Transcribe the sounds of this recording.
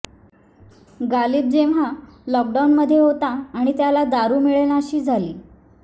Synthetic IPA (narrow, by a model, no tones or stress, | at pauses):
ɡaliːb̚d͡ʑeʋɦalɔk̚ɖawnməd̪ʱːjeɦot̪aːɽ̃it̪jalad̪aɾuːmiɭel̃aɕiːd͡zʱaliː